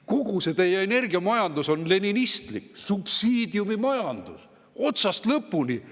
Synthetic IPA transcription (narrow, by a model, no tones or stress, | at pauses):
kuɡ̥use̞t̪e̞jeene̞rɡiɑmɑjɑnd̪̥uso̞nle̞ninist̪liksub̥siːd̪̥iumimɑjɑnd̪̥us | o̞t̪sɑst̪lɤpːuni